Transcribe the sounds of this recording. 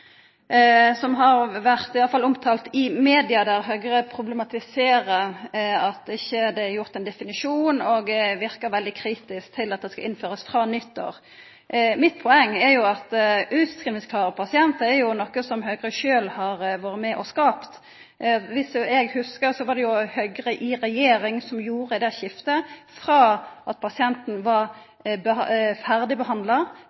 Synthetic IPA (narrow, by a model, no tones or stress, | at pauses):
sɔmɦɑɾʋæʁt̪ɪɑlːəfɑlʊmt̪ʰɑːlt̪ɪmeːd̪ɪɑd̪æɾɦøːɡəɾəpʰɾʊblɛmɑt̪ɪseːɾəɑt̪ɪçːəd̪ɛæɾjʊʁt̪ɛnd̪ɛfɪnɪʂuːnɔɡʋɪɾkəʋɛld̪ɪkʰɾiːt̪ɪskt̪ʰɪlɑt̪̚d̪ɛskɑ̰ʔɪnføːɾəsfʁɑːnʏt̪ːə̰ʁ | mɪt̪ːpʰɔɛŋːɛjʊɑt̪ʔʉːt̪skʰɾimɪskʰlɑːʁəpʰɑsɪɛnt̪əɛɾjʊnɔkːəsɔmɦøːɡɾəʃøːlhɑʁʋoːɾəmɛʔɔskɑːpt̪ | ʋɪsəɛɡhʉskəɾsɔʋɑd̪ɛjʊhœɡʁəʔɪɾɛjeːɾɪŋsɔmjuːʁəd̪ɛçɪft̪əfɾɑʔɑt̪̚pʰɑsɪɛnt̪n̩ʋɑʁ | bəfæʁd̪ɪbəɦɑnd̪lɑ